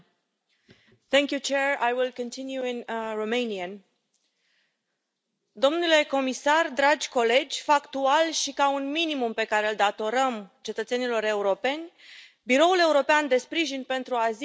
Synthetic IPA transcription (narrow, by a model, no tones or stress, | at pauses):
θɛ̃ŋkʲjut͡ʃeɹajwilkə̃nt̪ʰinjuinromejniən | d̪o̞mnule̞ko̞misard̪ɾad͡ʒʲko̞le̞d͡ʒʲfakt̪ualʃikaunminimumpe̞kaɾe̞ɨld̪at̪o̞ɾəmt͡ʃe̞t̪ət̪senilo̞ɾe̞uɾo̞pe̞nʲ | biɾo̞ule̞uɾo̞peand̪e̞spɾiʒinpe̞nt̪ɾuaz